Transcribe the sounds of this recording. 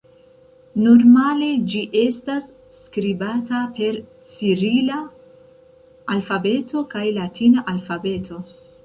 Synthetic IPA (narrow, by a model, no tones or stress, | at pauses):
noɾmale̞d͡ʒiʔe̞stasː | kɾibatape̞ɾ | t͡siɾila | lfabe̞tʰo̞kajlatʰinaʔalfabe̞tʰo̞